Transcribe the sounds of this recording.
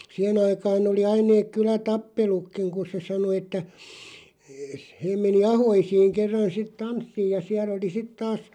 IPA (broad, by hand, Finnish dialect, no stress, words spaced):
siæh̆en ɑikɑːn oli ɑin neːk kylætɑpːelukːiŋ ku se sɑno etːæ s heːm̆ meni ɑhoisiːŋ kerːɑn sit tɑnsːiːj jɑ siælˑ oli sit tɑːs